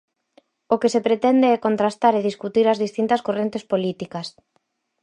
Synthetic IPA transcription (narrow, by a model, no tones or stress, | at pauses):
okesepɾet̪ɛnd̪eɛkont̪ɾast̪aɾeð̞iskut̪iɾɐzðist̪int̪ɐskorent̪espolit̪ikɐs